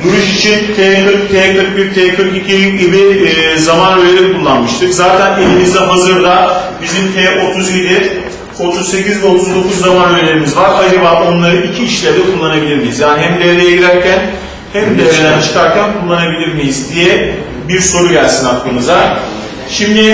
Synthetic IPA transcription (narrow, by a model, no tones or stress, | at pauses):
juɾuʃit͡ʃʰint̪ʰɛːkɯɾk̚t̪ʰɛːkɯɾk̚biɾ̚t̪ʰɛkʰɯɾkicʰijcɟʲibizamanølʲeɾikʰulˠːanmɯʃt̪ʰɯkzaːt̪ʰænelʲimizd̪ɛɦazɯɾd̪abizimt̪ʰɛʔo̞t̪ʰuzid̪ʲiɾ | o̞t̪ʰuzse̞cizvɛo̞t̪ʰuzd̪o̞kuzːamanøjlʲe̞ɾimizvaɾajɯɾvao̞nlˠaɾɯicʰiːʃlʲæɾd̪ɛkʰulˠːanabilʲiɾmijizjaːniɦæmd̪eɾejeɟilʲæɾcʰæn | hæmd̪eelænat͡ʃʰɯ̥kʰaɾcʰænkʰulˠːanabilʲiɾmijizd̪ijɛ | biɾso̞ɾuɟælʲsinaklˠɯnɯzaɾ | ʃimd̪ɪ